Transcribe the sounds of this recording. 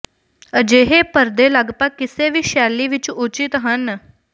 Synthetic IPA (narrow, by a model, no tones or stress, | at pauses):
əd͡ʒeɦepəɾd̪elaɡpakɪseʋiːʃaːliʋit͡ʃut͡ʃit̪ɦənə